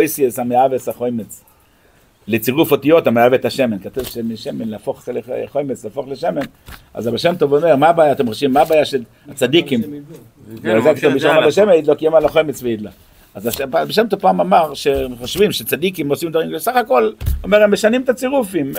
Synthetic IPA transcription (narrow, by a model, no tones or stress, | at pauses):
ojsiesameavesaχojmet͡s | let͡siʁufot̪ijo̞t̪ameavet̪aʃemenkat̪uvʃemiʃemenleafo̞χlḛχojmet͡sleafo̞χleʃemen | a̰zabeʃemt̪ovome̞ʁmabaːjaːt̪emχoʃvimːabaːjaʃe | at͡sad̪ikim | veazakit̪obiʃomataʃemeid̪lokiemalaχojmet͡sveid̪la | azaʃabeʃ̬emt̪ovpaːmamaʁʃeχoʃvimʃet͡sad̪ikimosimd̪vaʁimvesaχako̞lome̞ʁemːeʃanimet̪at͡siʁufim